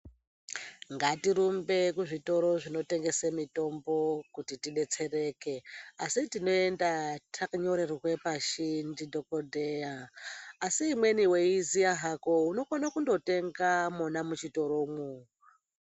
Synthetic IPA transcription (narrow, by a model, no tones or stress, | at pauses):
ŋɡatiɾumbe̞kuʐito̞ɾo̞ʐino̞te̞ŋɡe̞semito̞mbo̞kutitiɗe̞t͡se̞re̞ke̞asitino̞e̞ndatʰakaɲo̞ɾeriwe̞paʃindido̞kodʱejaː | siːmwe̞niwe̞izijaɦako̞uno̞konakundo̞te̞ŋɡamunamut͡ʃito̞ɾomwo